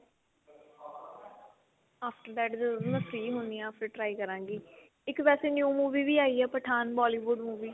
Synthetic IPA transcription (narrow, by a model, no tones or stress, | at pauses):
aːpʰʈəɾd̪ɛːʈd̪əzmɛ̃fʰɾiːɦʊniːãːpʰɾeːʈɾaːiːkəɾãːŋɡiː | ɪkʋɛːseːnjuːmuːʋiːʋiːaːiːɛːpəʈʰaːnbɔːliːʋʊɖmuːʋiː